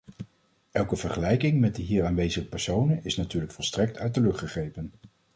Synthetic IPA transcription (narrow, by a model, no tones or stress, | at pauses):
ʔɛlˠkəv̥əɹχəlɛjkɪŋmɛt̚dəɦiːɹaːnʋejzəχəpɛɹsownənɪsnatyːɹləkfɔlˠstrɛk̚tʰœɥt̚dəlɵχtχəχejpən